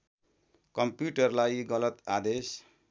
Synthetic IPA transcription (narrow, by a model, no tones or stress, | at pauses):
kʌmpjuʈʌrlajɡʌlʌt̪ad̪es